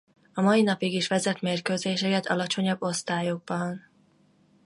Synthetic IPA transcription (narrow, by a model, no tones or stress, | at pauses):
ɒmɒinɒpiɡiʃʋɛzɛt̪meːrkøːzeːʃɛkɛt̪ʰɒlɒt͡ʃo̞ɲɒbːo̞st̪aːjo̞ɡ̚bɒn